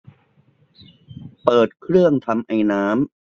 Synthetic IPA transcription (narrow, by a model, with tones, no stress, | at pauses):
pɤː˨˩t̪̚kʰɾɯ˥˩əŋt̪ʰa˧mʔa˧jnaː˦˥m